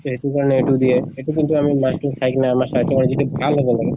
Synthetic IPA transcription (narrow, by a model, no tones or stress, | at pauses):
t̪oɦet̪ukaɹɔneeʈud̪ieeʈukint̪uamimasʈuŋsʰajknaːmasat̪ɔkand͡ʒitɛbʱalɦobɔnt̪ʰake